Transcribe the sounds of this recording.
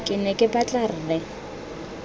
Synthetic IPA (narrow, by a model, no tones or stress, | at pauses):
kʼɪnɛkʼɪbat͡ɬʼar̩rɛ